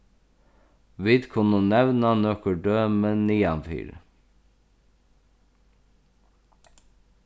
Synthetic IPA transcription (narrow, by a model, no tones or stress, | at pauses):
ʋiːd̪kʰʊnoːnɛʋnɑːnœkəɖøːmeːniːɑ̰nfy̰ːɾə